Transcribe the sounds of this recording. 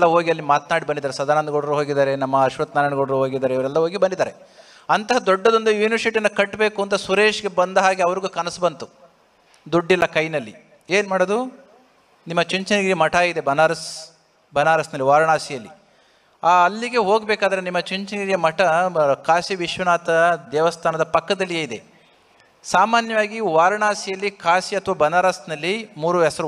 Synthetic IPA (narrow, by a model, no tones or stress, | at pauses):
lːɐɦoːɡijɐlːimaːt̪naːɽibɐnːɖid̪aːɾesɐd̪ʱaːnand̪ɐɡɐɭɾuɦoːɡid̪aːɾenɐmːɐɐʃʋɐt̪naːɾɐjnɐɡɐɭɾuɦoːɡid̪aːɾeiʋɐɾɛlːɐɦoːɡibɐnɖ̪id̪aːɾe | ɐnt̪ɐɦɐd̪ɔɖːɐd̪ond̪ujuːniʋɐɾsiʈiɐnːɐkɐʈːbe̞ːkuɐnt̪ɐsuɾeːʃɡe̞bɐnd̪ɐɦaːɡeɐʋɐɾiɡukɐnɐsbɐnt̪u | d̪uɖːilːɐkɐjnɐlːi | eːnmaːɽod̪u | nimːɐt͡ʃuɲt͡ʃɐniɡɾijɐmɐʈaːid̪e̞bɐnaːɾɐs | bɐnaːɾɐsnɐlːiʋaːɾɐɳaːsijɐlːi | aːɐlːiɡe̞ɦo̞ːɡbɛːkaːd̪ɐɾenimːɐt͡ʃuɲt͡ʃɐnɡɾjɐmɐʈɐkʰaːsiʋiʃʋɐnaːt̪ɐd̪ɛːʋɐst̪ʰaːnɐd̪ɐpɐkːɐd̪ɐlːijeːid̪e̞ | saːmaːnjɐʋaːɡiʋaːɾɐɳaːsijɐlːikʰaːsiɐt̪ʰɐʋaːbɐnaːɾasnɐlːimuːɾuɦɛsɐɾu